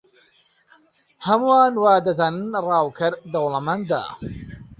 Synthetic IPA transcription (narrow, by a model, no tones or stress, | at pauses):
hɐmuwaːnwaːd̪ɐzaːnɨnrɑːwkʰɐɾd̪ɐwlˠɐmand̪a̰ː